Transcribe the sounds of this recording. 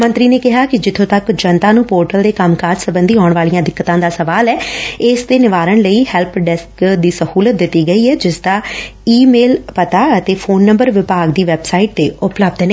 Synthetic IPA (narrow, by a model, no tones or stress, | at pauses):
mə̃nt̪ɾiːneːkɪɦaːkɪd͡ʒɪt̪ʰõːt̪əkd͡ʒənt̪ãːnũːpoːɾʈəld̪eːkəmkaːd͡ʒsəbənd̪iːɦɔːʊɳ̃ʋaːlijãːd̪ɪkːət̪ãːd̪aːsəʋaːlɛːɪsd̪eːnɪʋaːɾəɳ̃ləiːhɛlpʰɖɛskd̪iːsəhuːlət̪̚d̪ɪt̪ːiːɡəiːɛːd͡ʒɪsd̪aːiːmeːlpət̪aːət̪eːpʰoːnːəmbəɾʋɪpaːɡd̪iːʋɛbsaːiʈ̚t̪eːʔʊpləb̚d̪ɛːn